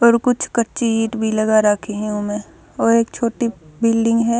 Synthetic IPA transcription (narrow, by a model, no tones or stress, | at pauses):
ɔːɾkʊt͡ʃʰkɐɾt͡ʃiiːʈbʱilɐɡaɾaːkʰiɦɛ̃omẽ | ɔːɾeːkt͡ʃʰoːʈibɪːlɖɪ̃ŋɡɦɛː